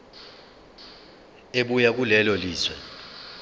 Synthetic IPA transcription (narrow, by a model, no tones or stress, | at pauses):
eɓujak̬ulɛlɔliːswɛ